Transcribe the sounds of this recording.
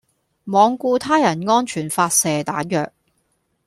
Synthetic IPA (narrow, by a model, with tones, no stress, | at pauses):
mɔː˨˧ŋkuː˧t̪ʰaː˥jɐ˨˩nŋɔː˥nt͡ʃʰyː˨˩nfaː˧t̚sɛː˨t̪aː˨˥jœː˨k̚